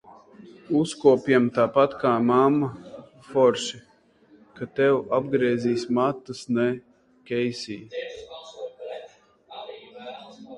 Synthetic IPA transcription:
uskuɔpʲjɛmt̪aːpat̪kaːmamːa | fɔɾʃi | kat̪ɛwab̚ɡɾiɛziːsmat̪ːɨsnɛ | kʲɛjsḭː

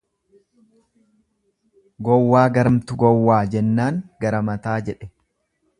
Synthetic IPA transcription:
ɡɔwːaːɡɐɾɐmt̪ʊɡɔwːaːd͡ʒɛnːaːŋɡɐɾɐmɐt̪aːd͡ʒɛᶑɛ

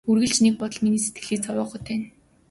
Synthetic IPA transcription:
urɣɘ̆ɮt͡ɕnek̚pɔt̪ɞ̆ɮminiːse̥t̪ɡɘ̆ɮiːkt͡sʰɔwɔːχʊ̆ːt̪ʰæːn

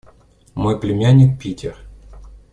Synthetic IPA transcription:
mojplʲɪmʲanʲːɪk̚pʲitʲɪr

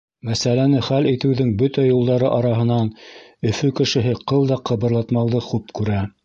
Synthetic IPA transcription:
mæsælænɘχælit̪ɘ̆wðɘŋbɵt̪æjulˠd̪ɑɾɤʔɑɾɑɦɤ̆nɑnɵ̆fɵkɘ̆ʃɘ̆ɦɘqɤðˠd̪ɑqɤ̆βɤ̆ɾlˠɑt̪mɑwðɤχʉpkʉɾæ

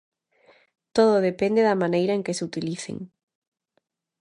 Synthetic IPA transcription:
t̪oðʊðepend̪eðɐmanejɾɐeŋkɪseut̪iliθḛŋ

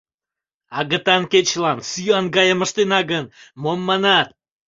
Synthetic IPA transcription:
ɑɣət̪ɑnket͡ɕlɑnsyɑnɡɑjəməʃt̪enɑɡənmomːɑnɑt̪̚

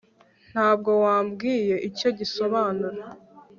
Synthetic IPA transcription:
n̥haːb̚ɡo̞waːmbɡiːje̞ʔico̞ɟiso̞βaːnuɾa

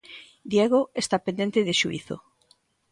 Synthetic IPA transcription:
d̪jeɣ̞oest̪apend̪ent̪eðeʃuḭθo̰

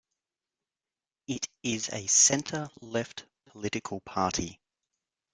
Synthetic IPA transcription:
ɪtɪzə̰sɛ̃ntʰəlɛft | pʰə̥lɪtɪkʰəlˠpʰɑˑtʰi

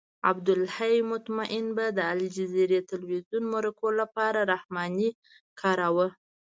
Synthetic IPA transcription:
a̰bd̪ʊlhajmʊt̪maʔɪnbad̪əalid͡ʒɪzeɾet̪ɪlwizjunmaɾakolapɑɾaɾahmɑni | kʰɑɾawə

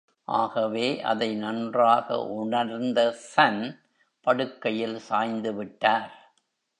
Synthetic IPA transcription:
ʔa̰ːɣɐʋeːʔɐ̰ðɐɪnɐndraːɣɐ̰ʔʊɳɐɾnd̪ɐsɐn | pɐɽɯkːɐjɪlsaːjnd̪ɯʋɪʈːaːɾ

